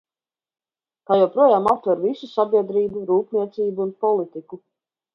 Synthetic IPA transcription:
kaːjɛwpɾuɔjaːmap̚t̪vaɾvisusabʲiɛd̪ɾiːbuɾuːpnʲiɛt̪siːbuːnpɔlˠit̪iku

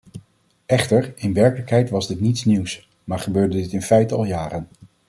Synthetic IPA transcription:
ɛχtəɹɪnʋɛɹkələkɦɛjtʋɑzdɪtnitsniws | maːɹχəbøːɹdədɪtɪnfɛjtəɑlˠjaːrən

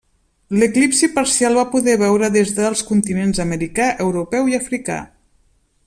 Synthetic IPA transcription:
ləklipsipəɾsialˠβapuðɛβɛwɾəðezðəːlˠskunt̪inenzəməɾikaʔəwɾupɛwiafɾika̰

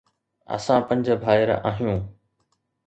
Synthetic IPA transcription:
ɐ̰sãpɐ̃ɲd͡ʑbʱaːɪɾa̰ːɦijũː

